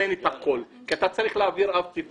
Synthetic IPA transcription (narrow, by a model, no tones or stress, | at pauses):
enet̪akolkiat̪at͡saʁiχleaviʁavtip